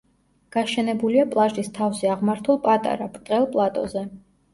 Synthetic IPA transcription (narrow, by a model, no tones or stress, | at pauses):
ɡ̥aʃɛnɛbuliapʼlˠaʒd̪ist̪ʰavzɛaʁmaɾt̪ʰulˠpʼat̪ʼa̰ɾabɾt̪ʼqʼɛlˠpʼlˠat̪ʼɔ̰zɛ